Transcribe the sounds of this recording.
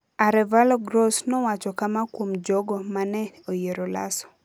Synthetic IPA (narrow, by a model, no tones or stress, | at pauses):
aɾɛvalɔɡɾosnɔwat͡ʃɔkamakwomd͡ʒɔɡɔmanɛojeɾola̰sɔ̥